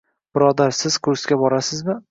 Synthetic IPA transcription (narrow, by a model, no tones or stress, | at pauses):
b̥ɪɾɒd̪aɾsɪz̥kʰʊɾsɡʲabɒɾasɪzmɪ